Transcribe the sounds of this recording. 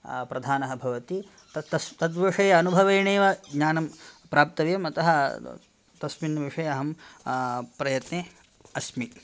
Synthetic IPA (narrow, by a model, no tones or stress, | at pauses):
pɾɐd̪ʱaːnɐɦɐbʱɐʋɐt̪i | t̪t̪ɐst̪ɐd̪ʋɐʂɐjɐɐnubʱɐʋɐjɳeːʋɐɡɲaːnɐmpɾaːp̚t̪ɐʋjɐmɐt̪ɐɦɐ | t̪ɐsminːɐʋiʂɐjɐɐɦɐm | pɾɐjɐt̪neː | ɐsmi